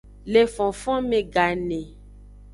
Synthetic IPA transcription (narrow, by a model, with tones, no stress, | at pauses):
le˨fɔ̃˨fɔ̃˦mẽ˨ɡa˨nẽ˨